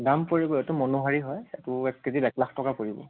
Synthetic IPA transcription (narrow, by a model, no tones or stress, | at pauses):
ɡampoɹibɔɛtʊmɔnoɦaɹiɦɔjɛtʊɛkːedibɛklaxtɔkapoɹibɔ̰